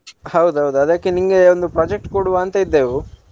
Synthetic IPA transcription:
hɐwd̪uɦɐwd̪uɐd̪akːeniŋɡeond̪upɾaːd͡ʒek̚ʈkoɽuʋaːnt̪ɐid̪ːeːʋu

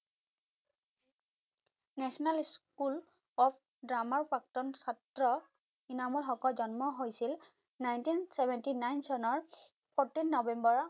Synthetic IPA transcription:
nɛsɔnalskul | ɔp̚ʰ | dɹamaɹpak̚tɔnsatɹɔ | inamɔlxɔkɔlzɔnmɔɦojsil | najntinsɛbʱɛntinajnsɔnɔɹ | pɔtinːɔbɛmbɔɹ

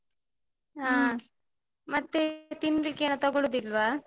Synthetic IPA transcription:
ɦaː | mɐt̪ːet̪inːlikːeːnut̪ɐɡoɭoːd̪ilʋaː

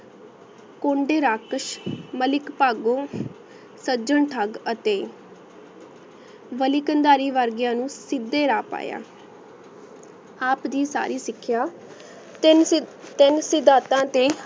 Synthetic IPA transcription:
kõːɳɖeːɾaːkəʃməlɪkpaːɡõː | səd͡ʒəɳʈʰaɡət̪eː | ʋəliːkənd̪aːɾiːʋəɾɡjãːnũːsɪd̪ːeːɾaːpa̰ːja̰ː | aːpd̪iːsa̰ːɾiːsɪkʰːɪjaː | t̪ɪnsɪd̪aːt̪ãːt̪eː

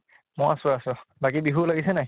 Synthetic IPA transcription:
mɔjasʊasʊbakibiɦulaɡisɛnaj

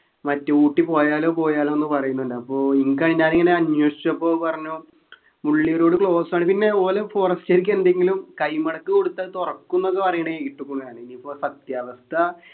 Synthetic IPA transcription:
mɐtːɨuːʈːipo̞ːjaːlo̞ːpo̞ːjaːloenːɨpɐrɐjunːuɳɖɨɐpːoːiŋkaːɲaːniŋːɐne̞ɐnwɐʂi̥t͡ɕːɐpːo̞ːpɐrɐɲːu | muɭːijɐɾo̞ːɽɨkɭo̞ːsmaːɳɨpinːe̞poːlefo̞ːrɐstːiɾik̬ʲːueɳɖeŋɡilumkɐjmɐɽɐkːɨko̞ɽut̪ːaːðt̪orɐkːunːok̬ːe̞pɐrɐjɐɳɐekiʈːukːuɳunaːɳɨinipːo̞ːsɐt̪jaːʋɐst̪ʰɐ

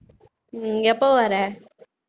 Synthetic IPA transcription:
ɛpːoːʋɐɾɛ

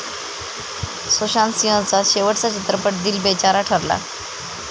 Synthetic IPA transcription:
soɕãnsiɦə̃t͡saɕeʋəʈt͡sat͡ɕit̪ɾəpəʈ̚d̪iːlbet͡ɕaɾaʈʰəɾla̰

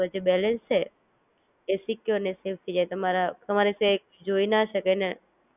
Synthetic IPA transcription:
d͡ʒebɛlɛnst͡ʃe | esikjoneseft̪ʰid͡ʒajt̪əmaɾat̪əmaɾise | d͡ʒoinaʃəkene

